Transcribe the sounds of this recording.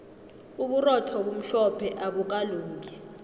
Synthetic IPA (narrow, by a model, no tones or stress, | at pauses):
uɓurɔtʰɔɓum̩ɬɔpʰɛʔaɓuk̬aluːŋki